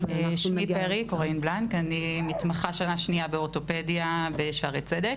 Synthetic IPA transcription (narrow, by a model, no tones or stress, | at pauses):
ʃmipeʁikoʁeinblankanimitmaχaʃanaʃniabeoto̞pedijabeʃaʁet͡sedek